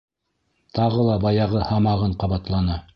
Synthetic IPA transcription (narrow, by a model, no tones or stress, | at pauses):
t̪ɑʁɤlˠɑbɑjɑʁɤhɑmɑʁɤɴqɑβɑt̪lˠɑnɑ